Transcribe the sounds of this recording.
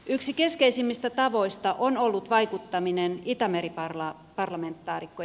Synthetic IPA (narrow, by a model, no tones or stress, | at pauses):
ʔyksikeskeisimːist̪æt̪ɑʋo̞ist̪ɑʔonolːut̪ʋɑikut̪ːɑminenit̪ɑmeɾipɑrlɑ | pɑrlɑment̪ːɑːrikːo